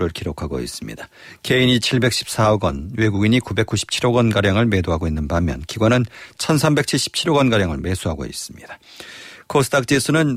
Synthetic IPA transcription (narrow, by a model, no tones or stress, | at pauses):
ɾɯɭkiɾokʰaɡo̰ḭs͈ɯmɲida | ke̞iɲit͡ɕʰiɭbe̞k̚ɕ͈ʰi̥p̚s͈aɡʌnwe̞ɡuɡiɲikube̞k͈uɕʰi̥p̚t͡ɕʰiɾoɡʌnɡaɾjaŋɯɭme̞doɦaɡoinːɯnbamjʌ̰nkiɡwʌnɯnt͡ɕʰʌnsʰambe̞k̚t͡ɕʰiɭɕ͈i̥p̚t͡ɕʰiɾoɡʌnɡaɾjaŋɯɭme̞sʰuɦaɡo̰ḭs͈ɯ̥mɲid̥ḁ | kʰosʰɯdʰak̚t͡ɕ͈is͈ʰɯnɯn